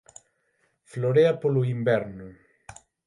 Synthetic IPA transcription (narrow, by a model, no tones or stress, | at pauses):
floɾeapolʊimbɛɾnʊ